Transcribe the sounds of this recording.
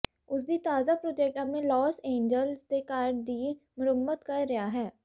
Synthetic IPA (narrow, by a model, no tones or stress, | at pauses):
ʊsd̪iːt̪aːzapɾoːd͡ʒeːk̚ʈaːpnẽlɔːsẽːɲd͡ʒəlsd̪eːkaːɾɖd̪iː | mʊɾəbːət̪kəɾːɪjaːɦɛː